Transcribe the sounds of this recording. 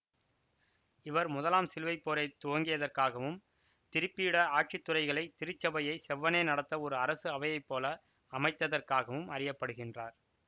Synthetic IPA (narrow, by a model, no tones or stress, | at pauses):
ɪʋɐɾmʊðɐlaːmsɪlʋɐɪpːoːɾɐɪt̪ːʊʋɐŋɡɪjɐðɐrkaːɣɐʋɯm | t̪ɪɾɯpːijɪɽɐaːʈ̚t͡ʃɪt̪ːʊrɐɪɣɐɭɐɪt̪ɪɾɯt͡ʃːɐbɐjɐɪsɛʋːɐneːnɐɽɐt̪ːɐɔɾɯɐɾɐsɯɐʋɐjɐɪpːoːlɐː | mɐɪt̪ːɐðɐrkaːɣɐʋɯmɐɾɪjɐpːɐɽɯɣɪndraːɾ